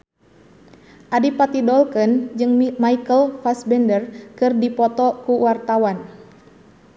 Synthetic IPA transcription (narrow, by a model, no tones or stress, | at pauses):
ʔadipat̪idɔlkənd͡ʒɨŋmaikəlfasbɛndərkɨrdipɔt̪ɔkuwart̪awan